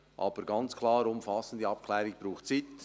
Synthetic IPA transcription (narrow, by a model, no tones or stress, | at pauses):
ʔɑ̰ːb̥əɾɡɑnt͡skʰlɑːɾʊmfɑsən̩d̥iɑp̚kʰlɛːɾɪɡb̥ɾuːχtt͡sit